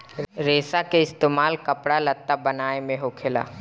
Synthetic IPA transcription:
ɾeːsakeɪst̪eːmaːlkɐpɽalɐt̪ːabɐnaːemẽɦoːkʰɪla̰ː

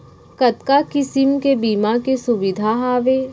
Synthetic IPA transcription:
kɐt̪kakɪsɪmkebiːmakesʊʋɪd̪ʱaɦaːʋe

